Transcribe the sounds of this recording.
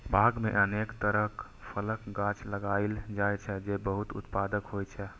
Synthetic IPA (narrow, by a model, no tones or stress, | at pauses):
bʱaɡmḛʔənekt̪əɾəɦk | pʰələkɡãt͡ʃləɡaɪld͡ʒajt͡ʃʰɛd͡ʒebəɦut̪ṵt̪pad̪əkɦojt͡ʃʰɛ